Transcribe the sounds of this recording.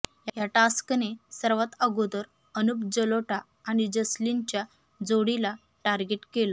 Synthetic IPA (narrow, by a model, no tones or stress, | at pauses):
jajaʈasknesəɾʋət̪əɡod̪əɾ | ənup̚d͡ʑəloʈaːɽ̃id͡ʑəsliɲt͡ɕja | d͡zoɽila | ʈaɾɡeʈkelo